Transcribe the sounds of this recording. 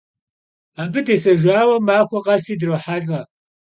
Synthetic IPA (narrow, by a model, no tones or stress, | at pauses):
aːbɨdeːsɐʒʷaːwɐmaːxʷɐqʼɐstiːdɨrɐħaɮʼɐ